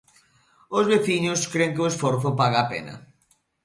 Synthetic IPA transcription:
ozβeθiɲʊskɾeŋkɪoesfɔɾθʊpaɣaːpḛnɐ̰

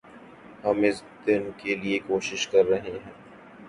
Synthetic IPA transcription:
hɐmɪsd̪ɪnkeliekoːʃɪʃkɐɾːɐɦeɦɛ̃ː

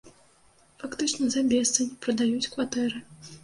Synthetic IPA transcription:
fakt̪ɨt͡ʂnɐzabʲɛst̪sɨnʲipɾɐd̪ajut͡sʲkvat̪ɛɾɨ

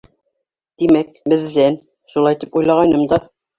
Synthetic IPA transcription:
t̪imæk̚bɘ̆ðːæn | ʃulˠɑjt̪ipujlˠɑʁɑjnɤmd̪ɑ

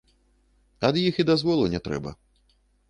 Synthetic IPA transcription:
ɐd̪jixid̪azvɔlˠunʲɛt̪ɾɛ̰bɐ̰

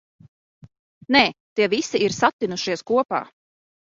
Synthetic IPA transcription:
nɛːt̪iɛvisiiɾsat̪ːinuʃiɛskuɔpa̰ː

